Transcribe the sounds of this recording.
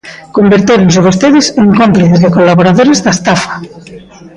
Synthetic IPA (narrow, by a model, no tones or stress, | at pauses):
kombeɾt̪eɾonseβost̪eðɪseŋkompliθezðɪkolaβoɾaðoɾezðast̪afḁ